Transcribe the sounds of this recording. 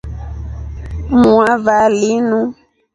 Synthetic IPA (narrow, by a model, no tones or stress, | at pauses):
muavalinũ